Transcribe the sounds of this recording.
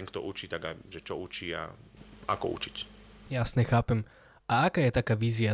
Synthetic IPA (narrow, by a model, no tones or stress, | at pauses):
ɛŋkt̪ɔ̰ʔut͡ʃit̪aɡaʒɛt͡ʃɔut͡ʃia̰a̰kɔ̰ṵt͡ʃi̥c | jasɲɛxaːpɛm | ʔaakaːjɛt̪akaːʋiːzɪa